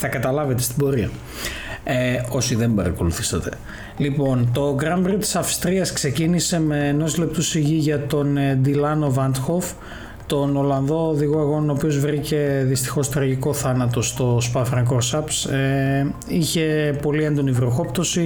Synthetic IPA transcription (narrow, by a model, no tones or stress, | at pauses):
θɐkɐt̪ɐlɐvet̪e̞st̪ibo̞ɾiɐ | eo̞siðe̞mbɐɾɐ̰ko̞luθi̥sɐt̪e̞̥ | lipo̞nt̪o̞ɡɾɐmbɾit̪i̥sɐfst̪ɾiɐskse̞cinise̞me̞ːno̞sle̞p̚t̪usiʝiʝɐt̪o̞nd̪ilɐno̞vɐnt̪xo̞f | t̪o̞no̞lɐnðo̞ːðiɣoɐɣo̞nonoːpio̞zvɾice̞ðist̪i̥xo̞st̪ɾɐʝiko̞θɐnɐt̪o̞st̪o̞spɐfɾɐŋkoɾsɐpse | içe̞po̞liend̪o̞nivɾoxo̞pt̪o̞si